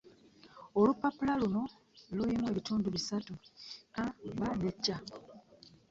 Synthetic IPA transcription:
olupːapulaluno̞ | luimwe̞ːβituːnduβisatuabanecːa

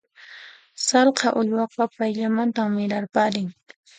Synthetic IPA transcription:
sɑlqɑʔʊʎwɑqɑpajʎamant̪aːɪɾaɾpaɾɪŋ

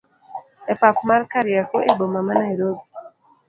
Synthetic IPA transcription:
epakmarkaɾjakoʔebomamanaeɾoɡi

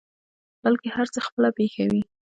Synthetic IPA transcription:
b̥alkehaɾt͡səxpəlapexawi

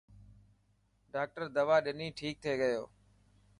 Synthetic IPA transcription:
ɖaːk̚ʈəɾd̪əʋaːɗɪnĩːʈʰiːk̚t̪ʰeːɠəjoː

